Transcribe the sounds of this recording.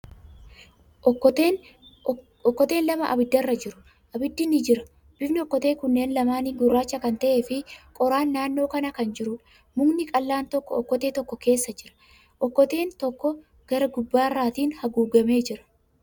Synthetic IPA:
ʔɔkːɔt̪e̞ːnlɐmɐʔɐ̰bɪd̪ːɐrːɐd͡ʒɪɾʊ̥ | ʔɐbɪd̪ːɪnɪd͡ʒɪɾɐ | b̥ɪfnɪɔkːɔt̪e̞ːkʊnːe̞ːnlɐmaːnɪɡʊrːaːt͡ʃːɐkɐnt̪ɐʔe̞ːfɪkʼɔɾaːnːaːnːo̞ːkɐnɐkɐnd͡ʒɪɾʊᶑɐ̥ | mʊŋnɪkʼɐlːaːnt̪ɔkːɔɔkːɔt̪e̞ːt̪ɔkːɔke̞ːsːɐd͡ʒɪɾɐ̥ | ʔɔkːɔt̪e̞ːnt̪ɔkːɔ | ɡ̥ɐɾɐɡʊbːaːrːaːt̪iːnhɐɡuːɡɐme̞ːd͡ʒɪɾɐ̥

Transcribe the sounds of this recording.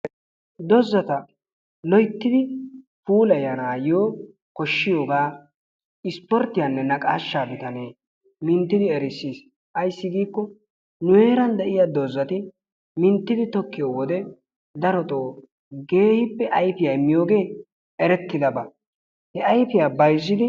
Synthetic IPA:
d̪ɔzːɐt̪ɐ | lɔjt̪ːɪd̪ɪ | fuːlɐjɐnaːjoː | kɔʃːɪjo̞ːɡaː | ɪspɔɾt̪ːɪjanːɛnɐkʼaːʃːaːbɪt̪ɐneː | mɪnt̪ːɪd̪ɪɛɾɪsːiːs | ʔɐjsːɪɡiːkːɔ | nʊje̞ːɾɐnd̪ɛʔɪjaːd̪ɔzːɐt̪ɪ | mɪnt̪ːɪd̪ɪt̪ɔkːɪjoːwɔd̪ɛ | d̪ɐɾɔt̪ʼoː | ɡe̞ːhɪpːɛʔɐjfɪjɐjmːɪjoːɡe̞ː | ɛɾɛt̪ːɪd̪ɐbɐ | hɛʔɐjfɪjaːbɐjzːɪd̪ɪ

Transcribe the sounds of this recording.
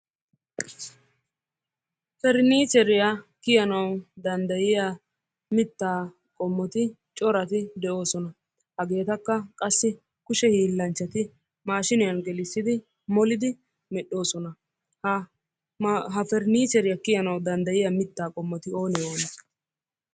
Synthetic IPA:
fɛɾniːsɛɾɪjɐkɪjɐnɐwd̪ɐnd̪ɐjɪja | mɪt̪ːaː | kʼɔmːɔt̪ɪ | t͡ʃʼɔɾɐt̪ɪd̪ɛʔo̞ːsɔnɐ | hɐɡe̞ːt̪ɐkːɐkʼɐsːɪ | kʊʃɛhiːlːɐnt͡ʃːɐt̪ɪ | maːʃɪnɪjɐnɡɛlɪsːɪd̪ɪ | mɔlɪd̪ɪ | mɛɗːo̞ːsɔnɐ | ɦɐfɛɾniːsɛɾɪjɐkɪjɐnɐwd̪ɐnd̪ɐjɪjɐmɪt̪ːaːkʼɔmːɔt̪ɪo̞ːnɛjo̞ːnɐ

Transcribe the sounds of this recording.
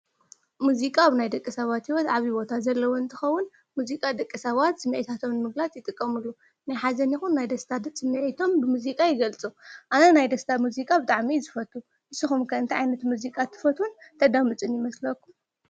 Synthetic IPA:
muzikʼaβnajd̪ɐkʼːisɐβat̪hiwɔt̪ʕaβibo̞t̪ʰazɐlːɐwoɨnt̪ʰɨxɐwːʊn | muzikʼad̪ɐkʼːisɐβat̪sɨmːɨʕit̪ʰat̪ʰo̞mnɨmɨɡlat̪jɨt̪ʼɨkʼːɐmɨlːu | najħazɐnjixunːajd̪ɐst̪ʰad̪ɨt͡sʼɨmːɨʕit̪ʰo̞mbɨmuzikʼajɪɡɐlt͡sʼuʔanɐnajd̪ɐst̪ʰamuzikʼabɨt̪ʼaʕmizɨfɐt̪ːu | ʔɨsɨxumkʰɐɨnt̪ʰiʕa̰jnɐt̪muzikʼat̪ʰːɨ̥fɐt̪ʰunt̪ʰɐd̪amɨt͡sʼɨnjɪmɐslɐkːum

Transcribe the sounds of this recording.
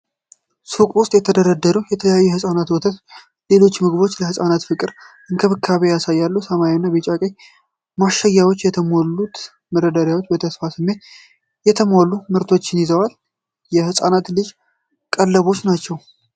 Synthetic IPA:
sukʼwʊst̪ʼjɛt̪ʰəd̪əɾəd̪ːəɾuwjɛt̪ʰələjajːuɛhɨsʼanat̪wɔt̪ʰət̪ | le̞lo̞t͡ʃːmɨɡbo̞t͡ʃːləhɨsʼanat̪fɨkʼɨɾʔɨnkʰəβɨkʰːaβejasajːalːusəmaɾinːabet͡ʃʼakʼej | maʃːajːawot͡ʃːjɛt̪ʰəmolːut̪ | məɾəd̪aɾjawot͡ʃːbət̪ʰəsfasɨmːe̞t̪ | jɛt̪ʰəmolːumɨɾt̪ʰo̞t͡ʃːɪnjizəwal | jɛhɨsʼanat̪lɨd͡ʒ | kʼəlːəβo̞t͡ʃːnat͡ʃːɛw

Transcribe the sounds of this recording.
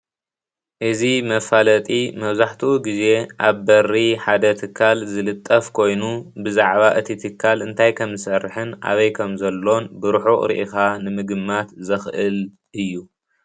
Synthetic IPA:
ʔɨzimɐfalɐt̪ʼimɐβzaħt̪ʰiuɡize̞ʔaβbɐrːiħad̪ɐt̪ʰɨkʰːalzɨlɨt̪ʼːɐfkʰo̞jnubɨzaʕβaʔɨt̪ʰit̪ʰɨkʰːalɨnt̪ʰajkʰɐmzɨsɐrħɨnʔa̰βɐjkʰɐmzɐlːo̞nbɨɾuħuʔʼɾḭʔikanɨmɨɡɨmːat̪zɨxʔɨl | ʔɨjːu

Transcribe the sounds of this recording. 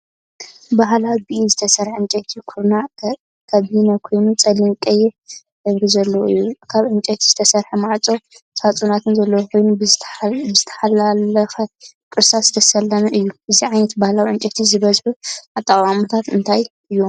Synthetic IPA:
baɦlawbiʔizɨt̪ʰɐsɐɾħɨnt͡ʃʼɐt̪ʰikʰuɾna | kʰɐβinɐkʰo̞jnut͡sʼɐlɨŋkʼɐjɛ | d̪ɐβɾizɐlːowɨ̰jːukʰaβʕɨnt͡ʃʼɛt̪ʰiz̥ɨt̪ʰɐsɐɾħɐmaʕt͡sʼosat͡sʼunat̪ʰɨnzɐlːɐwokʰo̞jnu | ɨzɨt̪ʰɐ̥ħalalɐxɐ | kʼɨɾsasɨ̥t̪ʰɐsɐlːɐmɐʔɨjːuʔɨziʕajnɐt̪bahlawʕɨnt͡ʃʼɐt̪ʰizɨβɐzħuʔat̪ʼːakʼwʼamut̪ʰat̪ɨnt̪ʰajʔɨjːo̞m

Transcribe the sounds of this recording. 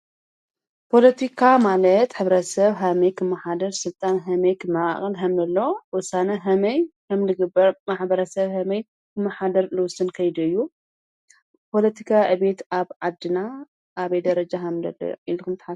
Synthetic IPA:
pʰo̞lɐt̪ʰikʰamalɐt̪ħɨβɾɐsɐβɦɐmɐjkʰɨmːɐħad̪ɐɾsɨlt̪ʼanɦɐmɐjkʰɨmːaa̰χʼɨlɦɐmnɐlːowɔsanɐɦɐmɐjhɐmnɨɡɨbːɐɾmaħbɐɾɐsɐβhɐmɐj | kʰɨmːɐħad̪ɐɾlɨwʊsɨnkʰɐjd̪uɨjːu | pʰo̞lɐt̪ʰikʰaʔɨβe̞t̪aβʕad̪ɨna | ʔaβɐjd̪ɐɾɐd͡ʒaɦɐmd̪ɐ̰lːɐ̰ʔilːukʰɨmt̪ʰħa

